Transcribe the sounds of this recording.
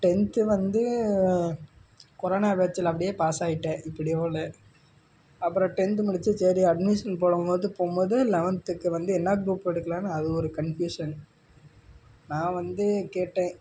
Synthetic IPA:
ʈɛnt̪ɯʋɐnd̪ɯ | kɔɾoːnaːʋeːt͡ʃːɪlɐpːɐɽɪjeːpaːsaːjɪʈːẽːʔɪpːɐɽɪjoːlɛ | ɐpːɯɾɔ̃ʈɛnt̪mʊɽɪt͡ʃːɯsɐɾiɐɖmɪʂɐnpoːɽɯmpoːðɯpoːmboːðɯlɛʋɐnt̪ɯkːɯʋɐnd̪ɯɛnːɐɡɾuːpːɛɽɯkːɐlaːnaɐðɯɔɾɯkɐɳfjuːʂɐn | nãːʋɐnd̪ɯkeːʈːẽː

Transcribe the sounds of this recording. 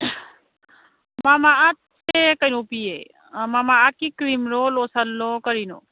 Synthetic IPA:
maːmaat̪sekəinõːpiːe | maːmaːakikɾiːmɾoːloːsɐlːoːkəɾiːno̰ː

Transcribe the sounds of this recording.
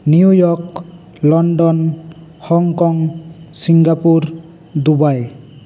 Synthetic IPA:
niujɔk | lɔnɖɔn | hɔŋkɔŋsiŋɡapuɾ | d̪ubaj

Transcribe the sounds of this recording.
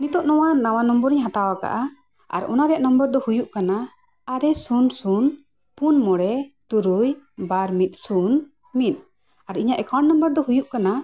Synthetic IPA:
nit̪ɔʔnɔwanawanɔmbəɾiɲɦat̪awaka̰ʔa | a̰ɾɔ̰naɾɛjaʔnəmbəɾd̪ɔhujuʔkanaː | ɾɛsunsun | punmɔɽɛt̪uɾujbaɾmit̪̚ˀsun | mit̪̚ˀ | aɾiɲaʔɛkʰannəmbəɾd̪ɔhujuʔkana

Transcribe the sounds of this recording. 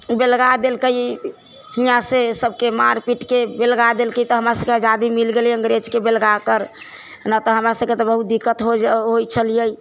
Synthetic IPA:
belɡad̪elkəj | hijãsesəbkemaɾpiʈkebelɡad̪elkəjt̪ɔɦəmɾasəbkeəd͡ʒad̪imilɡelə̃ŋɡɾed͡ʒkebelɡakəɾ | nat̪ɔɦəmɾasəb̚ket̪ɔbəɦut̪̚d̪ikːət̪ɦoɦojt͡ʃʰəlijəj

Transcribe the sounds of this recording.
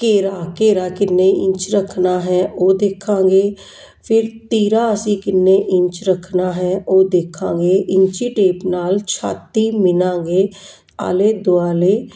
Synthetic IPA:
keːɾaːkeːɾaːkɪnːeːɪ̰̃ɲt͡ʃɾəkʰnaːɦɛːʔoːd̪eːkʰãːŋɡeː | pʰɪɾt̪iːɾaːəsĩːkɪnːeːʔɪɲt͡ʃɾəkʰnaːɦɛːʔoːd̪eːkʰã̰ːŋɡeːʔɪɲt͡ʃiːʈeːpnaːlt͡ʃʰa̰ːt̪iːmɪnãːŋɡeː | a̰ːleːd̪oaːleː

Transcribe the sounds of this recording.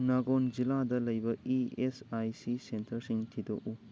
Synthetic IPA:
naɡond͡ʒilad̪ɐlɐjbɐiesajsisentʰɐɾsiŋt̪ʰid̪o̰ʔu

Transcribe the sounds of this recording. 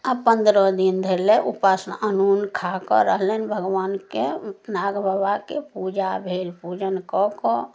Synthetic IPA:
apə̃nd̪ɾɔd̪ind̪ʱeɾleʔupasnənunkʰakɔɾəɦlənbʱəɡʋaːnkenaɡbəbakepud͡ʒabʱelpud͡ʒənkɔkɔ

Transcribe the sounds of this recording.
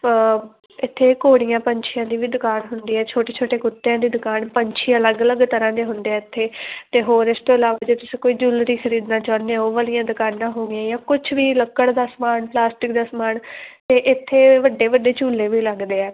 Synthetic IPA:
ɪt̪ʰːeːkoːɽɪjãːpəɲt͡ʃʰɪjãːd̪iːʋiːd̪ʊkaːnɦʊnd̪iːɛːt͡ʃʰoːʈeːt͡ʃʰoːʈeːkʊt̪ːejãːd̪iːd̪ʊkaːnpəɲt͡ʃʰiːələɡələɡt̪əɾãːd̪eːɦʊnd̪eɛːɪt̪ʰːeːt̪eːɦoːɾɪst̪oːəlaːʋaːd͡ʒeːt̪ʊsĩːkoːiːd͡ʒʊlɾiːxʰəɾiːd̪naːt͡ʃãːnd̪eãoːʋəlɪjãːd̪ʊkaːnːãːɦoːɡɪãːjãːkʊt͡ʃʰʋiːləkːəɽd̪aːsmaːnplaːsʈɪkd̪aːsmaːnt̪eːʔɪt̪ʰːeːʋəɖːeːʋəɖeːt͡ʃuːlːẽːʋiːləɡd̪eːɛː

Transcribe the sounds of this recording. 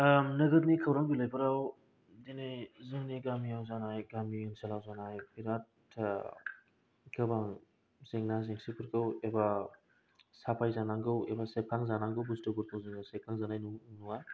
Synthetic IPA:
mnɐɡɐt̬̚nikʰɐwɾaŋbilajpʰɯɾaw | dinajzɯŋniɡamiawzanajɡamijuŋsalawzanajpʰiɾat̚tʰːa | ɡɐbaŋ | zeŋnazeŋsipʰuɾkɯweba | sapʰajzanaŋɡɯwḛbasekʰaŋzanaŋɡɯwbustɯbuɾkɐwziŋawsekʰaŋzanajnunuŋaj

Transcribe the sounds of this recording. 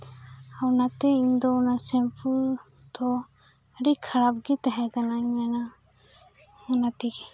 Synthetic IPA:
awnat̪ɛiɲd̪ɔɔnasɛmpʰu | t̪ɔ | ɾikʰaɾap̚ɡɛt̪aɦɛkanaiɲmana | ɔnat̪iɡɛ

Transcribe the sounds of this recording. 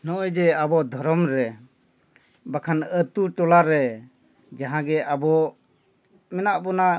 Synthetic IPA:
nɔʔɔd͡ʒɛabɔd̪ʱɔɾɔmɾɛ | bakʰanət̪uʈɔlaɾɛ | d͡ʒaɦãɡɛʔabɔ | mɛnaʔbɔna

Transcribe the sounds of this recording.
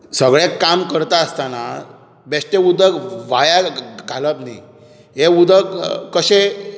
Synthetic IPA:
səɡɭekːamkəɾt̪aəst̪ana̰ | besʈeud̪əkʋajaɡʱaləpnḭ | ɦeud̪əkːəɕe

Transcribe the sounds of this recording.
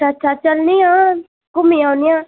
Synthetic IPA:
atːʃʰaːt͡ʃəlniãː | kʊmijãːnɪjãː

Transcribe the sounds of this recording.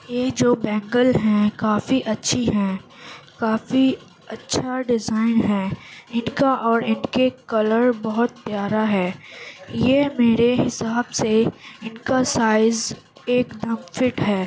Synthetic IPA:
jeːd͡ʒoːbɛ̃ːŋɡəlɦɛ̃kaːfiʔɐtːʃʰiɦɛ̃ | kaːfi | ɐtːʃʰaɖɪzaːɪnɦɛ̃ːɪnkaʔɔːɾɪnkekɐləɾbɐɦʊt̪̚pjaːɾaɦɛːjemeːɾeɦɪsaːbseɪnkasaːɪz | eːkd̪əmfɪʈɦɛː

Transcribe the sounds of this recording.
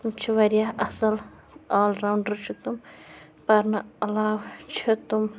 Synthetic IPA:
t̪umt͡ʃʰiʋɐɾjaʔɐsɐl | aːlɾawɳɖɐɾt͡ʃʰit̪um | pɐɾnɐɐlaːwt͡ʃʰit̪um

